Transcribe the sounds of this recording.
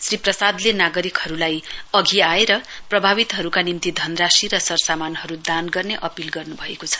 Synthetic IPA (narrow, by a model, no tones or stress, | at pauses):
sriprʌsad̪lenaɡʌɾikhʌɾulajʌɡʱiaeɾʌprʌbʱaβit̪ɦʌɾukanimt̪id̪ʱʌnrasiɾʌsʌrsamanɦʌɾud̪anɡʌrneʔʌpilɡʌrnubʱʌekot͡sʰʌ̥